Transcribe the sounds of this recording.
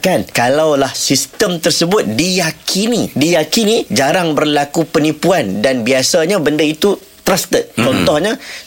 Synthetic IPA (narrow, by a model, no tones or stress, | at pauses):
kankalawlahsist̪əmt̪ərsəbʊt̪̚dijakʰinidijakinid͡ʒaɾaŋbərlakupənipuandanbiasaɲãbəndait̪u | t̪ɾast̪ət̪̚t͡ʃɔnt̪ɔhɲã